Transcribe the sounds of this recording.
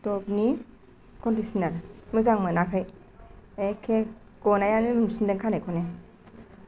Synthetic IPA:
tɔpni | kʰɔndisinaɾmɯzaŋmɯnakʰaj | ekʰe | ɡ̥ɔnajanimɯmsindeŋkʰanekʰɔne

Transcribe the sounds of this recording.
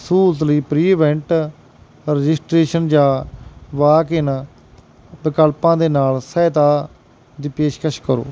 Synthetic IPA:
suːlət̪ləiːpɾiːʋɛ̃ɳʈ | ɾəd͡ʒɪsʈɾeːʃənd͡ʒãːʋaːkɪn | bɪkəlpãːd̪eːnaːlsɛːt̪aː | d̪iːpeːʃkəʃkəɾo̰ː

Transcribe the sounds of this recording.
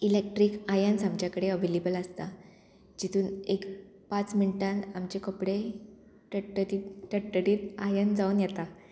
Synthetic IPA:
ilek̚ʈɾiːkajənsamt͡ɕjakəɽeəʋelebəlast̪a | d͡ʑit̪ʰuːnek | pat͡sminiʈãnamt͡ɕekəpɽe | ʈəʈəɾiʈəʈːəɽiːt̪ajənd͡zaunjɛt̪a

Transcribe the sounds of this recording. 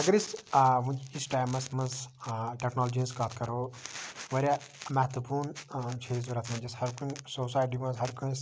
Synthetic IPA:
ɐɡɐɾisɦũd͡ʒiisʈaːjmɐsmɐnzʈeknoːld͡ʒinzkat̪ʰkɐɾoːʋɐɾʲja | mɐɦt̪upʰuːnt͡ʃʰeːz̬bɐɾɐt̪ʰmɐnd͡ʒɐshɐɾkunsoːs̬aːjʈimɐzɦɐɾkuns

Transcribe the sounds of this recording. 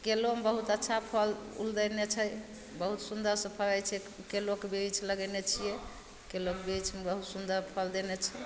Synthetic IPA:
kelomebəɦut̪ətːʃʰapʰəlṵld̪ənet͡ʃʰɛ | bəɦut̪sund̪əɾsə̃pʰəlajt͡ʃʰɛ | kelokebit͡ʃʰləɡɛnet͡ʃʰije | kelokbit͡ʃʰmebəɦut̪sund̪əɾpʰəld̪enet͡ʃʰɛ

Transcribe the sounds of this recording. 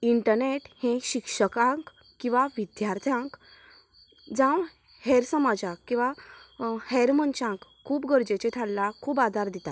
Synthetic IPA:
iɳʈəɾneʈhẽɕikʂəkãŋk | kːĩw̃ʋaʋid̪jaɾt̪ʰjãŋk | d͡zãw | hɛɾsəmad͡zakkːĩw̃ʋa | hɛɾmənt͡ɕãk | kʰːuːpɡəɾd͡ʑet͡ɕet̪ʰalːakʰuːbad̪ʱaɾd̪it̪at̪

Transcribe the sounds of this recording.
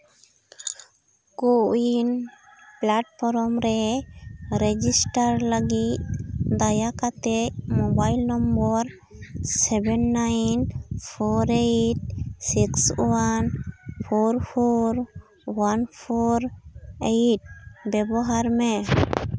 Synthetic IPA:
koinplaʈpʰɔɾɔmɾɛ | ɾed͡ʒisʈaɾləɡit̪̚d̪ajakat̪emobajlnɔmbɔɾ | sɛbɛnːajnpʰoɾeʈ̚sikswanpʰoɾpʰoɾ | wanpʰoɾejʈ̚bɛbɔɦaɾmɛ

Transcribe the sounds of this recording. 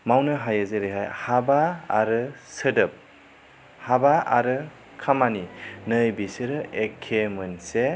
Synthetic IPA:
mawnɯɦajazeɾeɦajhabaːɾɯsɯdɯp̚ | habaa̰ɾɯ | kʰamaninɯjbisɯɾɯekʰemɯnse

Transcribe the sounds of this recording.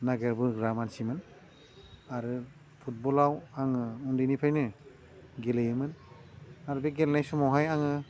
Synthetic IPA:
naɡeɾbɯɡɾamansimɯn | aɾɯ | pʰut̚bɔlawaŋɯundinipʰajnɯ | ɡelɯjɯmɯn | aɾɯbeɡelnajsɔmawɦajaŋɯ

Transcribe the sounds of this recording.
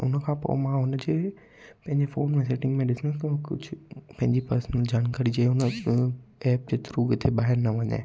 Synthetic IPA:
ʊ̰nə̆kʰãːpo̰mãɦʊnəd͡ʑeː | pɐ̃ɦɪ̃ɲd͡ʑefoːnmẽseːʈɪ̃ŋɡmẽɗɪsɪnst̪ɐkʊd͡ʑʱʊpɐ̃ɦɪ̃ɲd͡ʑipɐɾsnəld͡ʑʱaɽ̃kɐɾid͡ʑɐʊnə | ɛːp̚d͡ʑeːt̪ʊɾuːɡt̪ʰeɓaːɦɪɾnɐʋɐɲḛː

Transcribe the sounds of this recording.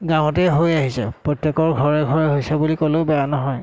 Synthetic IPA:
ɡãw̃ɔtɛɦojaɦisɛ̰pɹotjekɔɹɡʱɔɹɛɡʱɔɹɛɦojsɛbulikolobɛjanɔɦɔj

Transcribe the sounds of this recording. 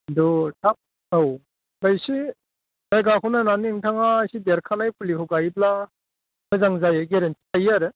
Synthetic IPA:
dɔtʰap̚ | ow | bajsi | bajɡakʰɔnananiŋtʰaŋasideɾkʰanajpʰulikʰɔɡajp̬la | mɯzaŋzajeɡeɾentʰi̥tajaɾɯ

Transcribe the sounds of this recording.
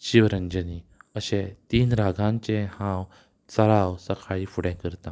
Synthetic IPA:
ɕiʋɾəɲd͡ʑəniəɕɛ̃t̪iːnɾaɡʱãɲt͡ɕɛ̃hãw | t͡səɾawsəkʰaɭiːfuɽɛ̃kəɾt̪ã

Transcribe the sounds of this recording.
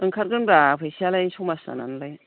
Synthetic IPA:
ɯŋkʰat̚ɡɯnbɾapʰejsialajsukmasa̰na̰nlaj

